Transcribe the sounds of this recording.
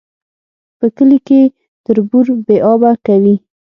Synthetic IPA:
pəkəlike | t̪əɾbuɾbeʔɑbakawi

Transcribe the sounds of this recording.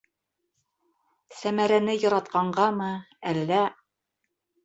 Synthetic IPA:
sæmæɾænɘjɤ̆ɾɑt̪qɑɴɢɑmɤ | ælːæ

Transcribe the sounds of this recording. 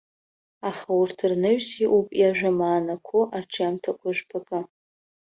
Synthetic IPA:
aχawʊrtʰɨrnɨɥsiʔupʼjaʒᶣamaːnakʷʰʊʔarʈ͡ʂʰamtʰakʷʰʼʊʒʷᶣpʰakʼa

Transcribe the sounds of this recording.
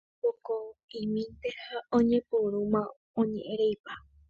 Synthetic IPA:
pokoĩmĩnt̪ehaõɲẽ̞puɾumã | õɲḛ̃ʔẽɾejpa

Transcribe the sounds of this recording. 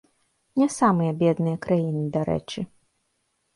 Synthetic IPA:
nʲɛsamɨjɐbʲɛd̪nɨjɐkɾajinɨd̪aɾɛ̰t͡ʂɨ

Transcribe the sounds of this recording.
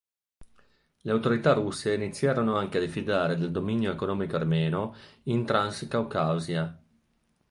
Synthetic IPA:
leawt̪oɾit̪arusːeinit̪sːjaːɾonoaŋkead̪ifid̪aːɾed̪eld̪ominjoekonɔːmikoarmɛːnoint̪ɾanskawkawzja

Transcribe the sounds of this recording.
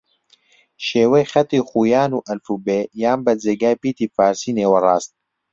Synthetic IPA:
ʃeːwɛjxɛt̪iːxuːjaːnuːʔɐlfuːbeːjaːmbɐd͡zeːɡaːjpiːt̪iːfaːɾsiːneːwɐrɑːst̪̚

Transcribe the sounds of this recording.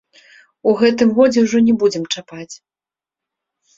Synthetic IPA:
uɣɛt̪ɨmɣɔd͡zʲɛwʐɔnʲɛbud͡zʲɛmt͡ʂapat͡sʲ

